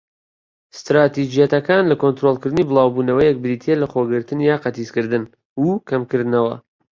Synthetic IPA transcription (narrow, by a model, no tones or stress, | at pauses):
st̪ɾaːt̪id͡ʒijɐt̪ɐkaːnlɐkont̪ɾolˠkɨɾd̪ɨnibɨlˠɑːwbuːnɐwɐjɛk̚bɨɾit̪ʰelɐχoːɡɨɾt̪ɨnjaːqɐt̪iskɨɾd̪ɨn | ukʰɐmkɨɾd̪ɨnɐwɐ̰